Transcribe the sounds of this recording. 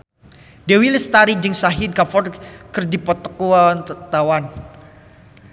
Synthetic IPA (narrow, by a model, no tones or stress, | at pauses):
dewilɪst̪aɾid͡ʒɨŋsaɦinkafɔrkɨrdipɔt̪ɔ̥kuant̪awan